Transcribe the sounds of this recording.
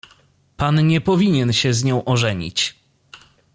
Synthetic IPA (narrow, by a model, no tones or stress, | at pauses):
panɲɛpɔvʲiɲɛnɕɛzɲɔ̃w̃ʔɔʐɛɲḭt͡ɕ